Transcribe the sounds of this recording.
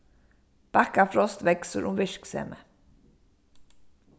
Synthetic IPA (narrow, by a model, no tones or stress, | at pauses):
b̥ækafɾɔst̪ʋɛksəɾʔʊmʋɪʃksḛːmʔə